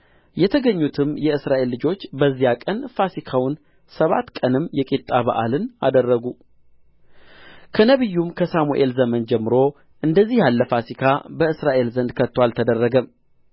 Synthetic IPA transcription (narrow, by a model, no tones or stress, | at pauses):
jɛt̪ʰəɡəɲːut̪ʰɨmjɛɨsɾaʔe̞lːɨd͡ʒo̞t͡ʃːbəzːijakʼənfasikʰawʊn | səβa̰t̪ːkʼənɨmːjɛkʼit̪ʼːaβa̰ʔa̰lɨnad̪ərːəɡu | kʰənəβɨjːumkʰəsamuʔe̞lzəmənd͡ʒɛmːɨɾo̞ | ʔɨnd̪əzːihjalːəfasikʰabəɨsɾaʔe̞lzənd̪kʰət̪ːwalt̪ʰəd̪ərːəɡəm